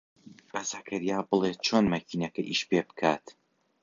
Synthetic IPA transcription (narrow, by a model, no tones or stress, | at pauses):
b̥ɐzɐkʰɐɾijaːbɨlˠeːt̪̚t͡ʃʰoːnmɐkiːnɐkɐʔiːʃpeːbɨ̥kʰaːt̪